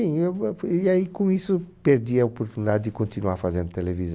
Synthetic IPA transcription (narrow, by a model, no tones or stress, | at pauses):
ĩewiaikõisʊpeɾd̪iɐopoɾt̪unid̪ad̪ɪd̪ɪkõnt̪inuaɾfazẽnd̪ʊt̪elevizɐ